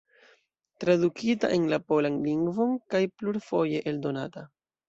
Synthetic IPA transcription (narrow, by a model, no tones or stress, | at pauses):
tɾadukʰita̰ʔe̞nlapo̞lanliŋɡvo̞nkajpluɾfo̞je̞ʔeldo̞nata